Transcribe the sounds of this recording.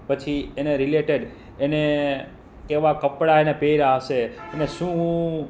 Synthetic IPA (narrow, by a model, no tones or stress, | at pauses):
pət͡ʃʰieneɾileʈeɖ | ene | keʋakəpɽaenepeɾaʃeeneʃũ